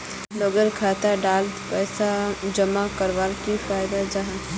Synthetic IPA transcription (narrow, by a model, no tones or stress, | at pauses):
loɡəɾkʰaːt̪aɖaːlt̪pɛːsad͡ʒəmakəɾʋaːlkifaːjd̪ad͡ʒaɦã